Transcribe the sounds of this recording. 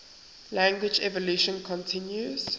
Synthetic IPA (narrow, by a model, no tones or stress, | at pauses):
læ̃ŋɡwɪd͡ʒɛvɔluʃə̃nkʰɔ̃ntʰɪ̃njuz̥